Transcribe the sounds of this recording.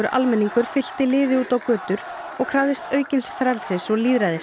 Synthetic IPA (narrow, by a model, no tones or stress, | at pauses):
ʏɾʔa̰lmɛnːiŋkʏɾ̥fɪl̥t̪ɪlɪːðɪuːt̪awkœːt̪ʏɾ | ɔɣkʰɾaːwðɪst̪œːɥcɪnsfɾɛlsɪsɔliːðɾajðɪs